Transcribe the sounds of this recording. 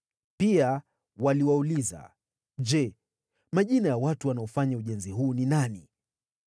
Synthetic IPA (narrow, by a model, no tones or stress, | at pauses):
pia | waliwauliza̰ | ʄɛ | maʄinajawatuwanaɔfaɲauʄɛnziɦuːninani